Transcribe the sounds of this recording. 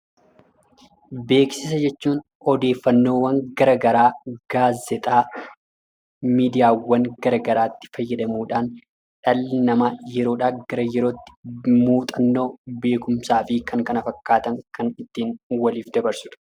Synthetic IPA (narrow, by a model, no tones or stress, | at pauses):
be̞ːksɪs̬ɐd͡ʒɛt͡ʃːuːn | ɔd̪e̞ːfːɐnːo̞ːwɐŋɡɐɾɐɡɐɾaːɡ̥aːzːɛt̪ʼaː | miːd̪ɪjaːwɐŋɡɐɾɐɡɐɾaːt̪ːɪ̥fɐjːɐd̪ɐmuːᶑaːn | ᶑɐlnɐmaːjɛɾo̞ːᶑaːɡɐɾɐjɛɾo̞ːt̪ːɪ̥muːt̪ʼɐnːo̞ːbe̞ːkʊmsaːfɪkɐŋkɐnɐfɐkːaːt̪ɐŋkɐnɪt̪ːiːnwɐliːfd̪ɐbɐɾsʊᶑʊ̥